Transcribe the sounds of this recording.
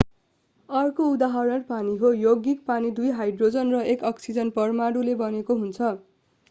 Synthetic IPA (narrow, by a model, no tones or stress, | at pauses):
ʌrkoud̪aɦʌɾʌrpaniɦojoɡik̚panid̪ujɦajɖrod͡zʌnrʌekʌksid͡zʌnpʌrmaɽulebʌnekoɦunt͡sʰʌ